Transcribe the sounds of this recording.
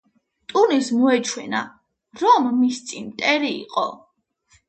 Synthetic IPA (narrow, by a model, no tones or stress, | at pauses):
t̪ʼunismɔɛt͡ʃʰwɛna | ɾɔmːist̪sʼinmt̪ʼɛɾḭːqʼɔ̰